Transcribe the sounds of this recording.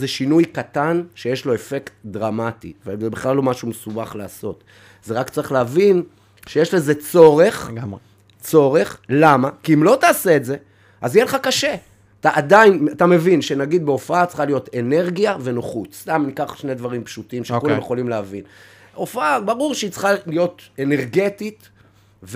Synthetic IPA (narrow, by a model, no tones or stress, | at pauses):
zeʃinujkat̪anʃejeʃlo̞e̞fe̞kt̪dʁamat̪ḭvezebiχlalo̞maʃumesubaχlaːso̞t̪ | zeʁakt͡saʁiχleavin | ʃejeʃleze̞t͡so̞ʁe̞χ | t͡so̞ʁe̞χlamakiimlo̞t̪aːse̞ːtze̞ | azijeleχakaʃe | at̪aʔad̪ainat̪ame̞vinʃenaɡid̪̚beofaat͡sχalijo̞t̪e̞ne̞ʁɡijave̞noχut͡ssst̪amnikaχʃne̞d̪vaʁimpʃut̪imʃekulammje̞χo̞limleavin | o̞faabaʁuʁʃeit͡sχalijo̞t̪e̞neʁɡet̪it̪ | v